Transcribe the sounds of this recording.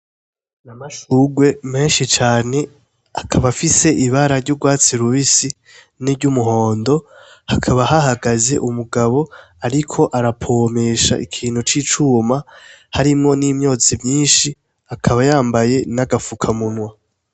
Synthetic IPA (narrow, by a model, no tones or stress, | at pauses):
namaʃuɡwe̞me̞ːnʃit͡ʃaːne̞ | akʰaβafise̞ʔiβaɾaɾɟuɡwaːt͡siɾuβisi | niɾɟumuɦo̞ːndo̞hakʰaβaɦahaɡaze̞ʔumuɡaβo̞ | aɾikʰo̞ʔaɾapʰo̞me̞ːʃa̰ʔikʰiːn̥hut͡ʃiːt͡ʃuːmahaɾimŋo̞niːmɲo̞ːt͡simɲiːnʃi | akʰaβajaːmbaje̞naɡafukʰamunwa